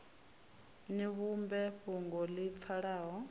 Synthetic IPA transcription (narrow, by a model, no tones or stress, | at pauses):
niβumbɛɸuŋɡɔlip̪fʰaɺaːɦɔ